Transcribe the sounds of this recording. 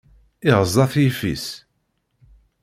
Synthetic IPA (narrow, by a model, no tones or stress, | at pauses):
ɪʁəzˤɑθjifḭs